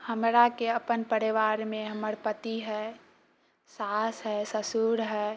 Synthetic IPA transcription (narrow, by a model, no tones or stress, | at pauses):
həmɾakeəpənpəɾiʋaɾmẽɦəməɾpət̪iɦɛ | sasɦɛsəsuɾɦɛ